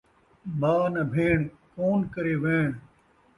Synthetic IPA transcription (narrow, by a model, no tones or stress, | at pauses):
baːnɐbʱeːɳ | koːnkɐɾeːʋẽːɳ